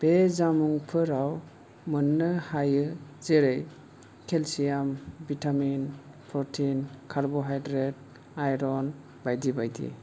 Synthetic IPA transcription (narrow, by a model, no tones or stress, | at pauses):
b̥ezamuŋpʰɯɾaw | mɯnːɯhajɯzeɾej | kʰelsijambitʰamin | pɾɔtʰinkʰaɾbɔɦajdɾet̚ | ajɾɔn | bajdibajdḭ